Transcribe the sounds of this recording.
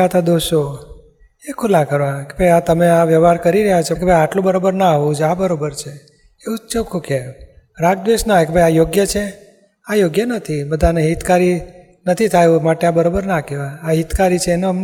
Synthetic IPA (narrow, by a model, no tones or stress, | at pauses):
ət̪ʰad̪oʃo | ekʰulakəɾʋakebʱəjat̪əmeaʋjəʋɦaɾkəɾiɾəɦjat͡ʃʰekebʱəjaʈlõbəɾobəɾnaɦʋũd͡ʒabəɾobəɾt͡ʃʰe | eut͡ʃekʰuke | ɾaɡ̚d̪ʋeʃnakebʱəjajoɡjət͡ʃʰe | ajoɡjənət̪ʰibəd̪ʱaneɦit̪kaɾi | nət̪ʰit̪ʰajũmaʈeabəɾobəɾnakeʋaaɦit̪kaɾit͡ʃʰeːnoəm